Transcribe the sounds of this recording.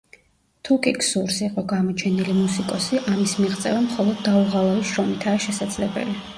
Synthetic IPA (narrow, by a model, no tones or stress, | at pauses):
t̪ʰukʼikʰʼsuɾsiqʼɔɡamɔt͡ʃʰɛnilimusikʼɔsiʔamismiʁt̪sʼɛ̰vamχɔlˠɔd̪ːauʁalˠaviʃɾɔmit̪ʰaːʃɛsad̪zlɛbɛ̰li